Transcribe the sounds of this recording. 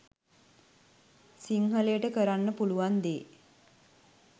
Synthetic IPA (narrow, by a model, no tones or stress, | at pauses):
siŋɦəlejəʈəkəɾanːəpuluʋand̪eː